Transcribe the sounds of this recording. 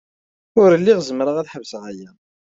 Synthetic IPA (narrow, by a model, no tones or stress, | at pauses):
ʊɾəlːiʁzəmɾəʁæθħəvsəʁæjæ